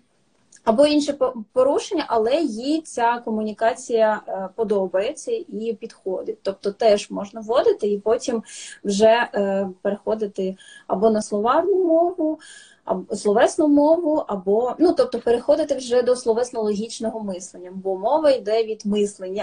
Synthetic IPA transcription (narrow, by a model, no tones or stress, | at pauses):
ɐbɔinʃɛpɔɾuʃenʲːɐʔɐlˠɛjit͡sʲakɔmʊnʲikɑt͡sʲijɐpɔd̪ɔbɐjet͡sʲːɐipʲid̪̥xɔd̪ɪt̚ʲt̪ɔp̚t̪ɔt̪ɛʒmɔʒnɐʋɔd̪ɪt̪ɪipɔtʲimwʒɛpeɾexɔd̪ɪt̪ɪɐ̰bɔnɐslˠɔʋɑrnʊmɔʋʊ | ɐ̰slˠɔʋɛsnʊmɔʋʊʔɐbɔnut̪ɔp̚t̪ɔpeɾexɔd̪ɪt̪ɪwʒɛd̪ɔslˠɔʋɛsnɔlˠɔɦʲit͡ʃnɔɦɔmɪslˠenʲːɐbɔmɔʋɐjd̪ɛʋʲid̪mɪslˠenʲːɐ